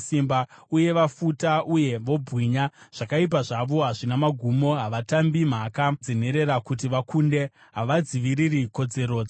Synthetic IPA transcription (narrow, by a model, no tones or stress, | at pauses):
simbauje̞ʋafutaʔuje̞ʋo̞bʱwiɲaʐ̥akaip̬aʐaʋo̞ɦaʐinamaɡʱumo̞ɦaʋatambim̤akad͡zin̤e̞ɾe̞ɾakutiʋakunde̞ | ɦaʋad͡ziʋiɾiriko̞d͡ze̞ɾo̞ːd͡z